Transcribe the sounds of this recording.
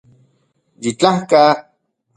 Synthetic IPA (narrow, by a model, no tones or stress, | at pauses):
jit͡ɬahka